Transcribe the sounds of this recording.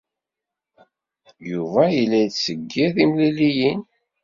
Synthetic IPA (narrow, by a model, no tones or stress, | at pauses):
juvæjilːæjsəɡːiθimlilijin